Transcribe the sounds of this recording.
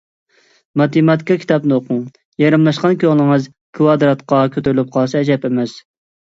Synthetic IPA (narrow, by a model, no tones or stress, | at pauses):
mɑt̪emɑt̪kʰɑkʲʰi̥t̪ɑpnɨoqʰʊŋ | jɑɾɨmlˠɑʃqɑnkʲøʁlˠɨŋɨz | kʰuwɑd̪ɾɑt̪qʰɑkʲʰøt̪yɾlyp̚qʰɑlˠsɑɛd͡ʒɛpemɛs